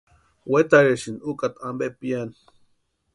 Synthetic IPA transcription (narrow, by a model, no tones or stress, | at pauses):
wet̪aɾeʃinukʼat̪ambepijani